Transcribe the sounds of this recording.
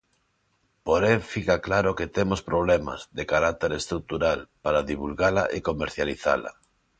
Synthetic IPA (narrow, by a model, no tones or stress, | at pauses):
poɾeŋfikaklaɾoket̪emospɾoβ̞lɛma̰zðekaɾak̚t̪eɾest̪ɾuk̚t̪uɾalpaɾaðiβ̞ulɣala̰ʔekomeɾθjaliθa̰la̰